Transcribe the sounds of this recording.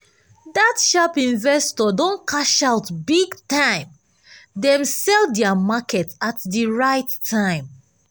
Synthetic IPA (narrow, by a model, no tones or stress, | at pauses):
datʃapĩnvɛstɔdõnkʰaʃaʊtbiɡtãɪ̃m | dɛ̃msɛldɛamakɛtatdiɹaɪtʰːãɪ̃m